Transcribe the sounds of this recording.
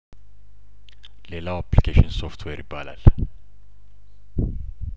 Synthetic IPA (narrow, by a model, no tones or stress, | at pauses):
lelaapʰlikʰeʃənsɔft̪ʰwɛɾibalæ̰l